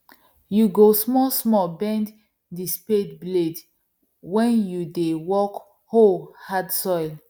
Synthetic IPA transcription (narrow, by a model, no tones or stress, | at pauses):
juɡosmɔsmɔbɛ̃nd | dispedbled | wɛ̃njudewɔk | holhadsɔjl